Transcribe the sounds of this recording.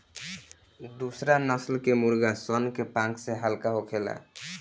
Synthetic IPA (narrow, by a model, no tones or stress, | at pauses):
d̪usɾanʌslkemuɾɡasɔnkepãŋkseɦalkaɦokʰela̰